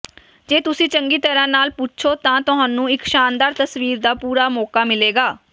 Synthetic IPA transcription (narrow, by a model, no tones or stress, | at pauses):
d͡ʒeːt̪ʊsĩːt͡ʃəŋɡiːt̪əɾãːnaːlpʊt͡ʃʰoːt̪ãːt̪ʊɦãːnũːɪkʃaːnd̪aːɾt̪əsʋiːɾd̪aːpuːɾaːmɔːkaːmɪleːɡaː